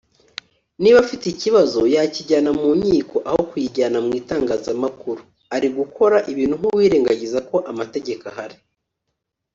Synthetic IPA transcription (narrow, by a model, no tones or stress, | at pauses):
niβafiteiciβazo̞jaciɟaːnamuːɲiːko̞ʔaho̞kujiɟaːnamŋiːtaːŋɡaːzamakuɾu | aɾiɡukʰo̞ɾaʔiβiːn̥uŋ̥uwiːɾe̞ːŋɡaɟizako̞ʔamate̞ɟe̞kahaɾi̥